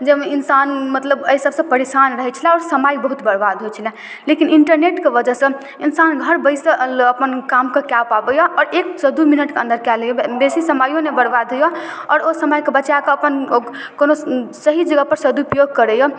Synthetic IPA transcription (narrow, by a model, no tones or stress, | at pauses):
d͡ʒeminsanmət̪ləbəisəbsə̃pəɾesanɾəɦɛt͡ʃʰilɛɔːɾsəmajbəɦut̪bəɽbad̪ɦojt͡ʃʰilɛ̃ | lekiniɳʈəɾneʈkebəd͡ʒəɦsə̃ | insanɡʱəɾbəjsẽəpənkamkekjapabəjɔʔɔːɾeksəd̪uminəʈkeə̃nd̪əɾkɛləjɔbesisəmajõnebəɽbad̪ʱɦojɔɔ̰ːɾosəmajkebət͡ʃjakeəpən | konosəɦid͡ʒəɡəpəɾsəd̪uupəjoɡ̚kəɾəjɔ